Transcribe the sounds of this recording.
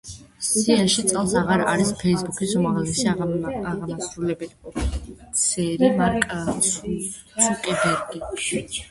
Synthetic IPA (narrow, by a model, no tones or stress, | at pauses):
sianʃit̪sʼɛlˠsaʁaɾa̰ɾispʰɛisbukʰisɔmaʁlɛsiaaʁmasɾulɛbɛl | t̪sʰɛɾimaɾkʼas | sʼukʼɛbɛɾɡi